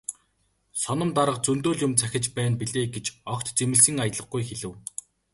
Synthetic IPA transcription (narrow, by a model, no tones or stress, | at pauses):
sɔnɞ̆mt̪aɾə̆qt͡sɵnt̪oːɮjʊmt͡sʰæxʲɪ̆t͡ɕpæːnpiɮeːɡet͡ɕɔkt̪t͡semɘ̆ɮsɘ̆ŋajət̪ɮə̆χɡujxeɮɘ̆w